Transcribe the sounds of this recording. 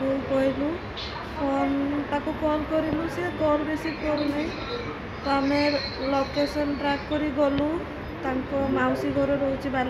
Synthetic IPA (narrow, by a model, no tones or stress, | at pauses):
bʱulkɔɦilu | pɔnt̪akukɔlkɔɾilusiɡɔɾbesikɔɾunaɦĩ | t̪ɔameɾlokesɔnʈɾakkːɔɾiɡɔlu | t̪aŋkɔmawsiɡʱɔɾɔɾɔwt͡ʃʰibal